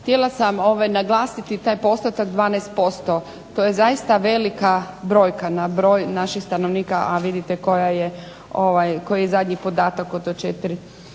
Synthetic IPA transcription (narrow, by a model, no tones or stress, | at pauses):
xt̪jelasamo̞ʋajnaɡlˠaːsit̪it̪aːjpo̞st̪ot̪akd̪ʋaːnɛest̪̚po̞st̪o | t̪ojezaist̪aʋe̞likabɾo̞ːjkanabɾo̞jnaʃixst̪ano̞ʋniːkaʔaʋid̪it̪eko̞jaje | o̞ʋajko̞jijezad̪ɲipo̞d̪aːt̪akot̪ot͡ʃet̪iɾi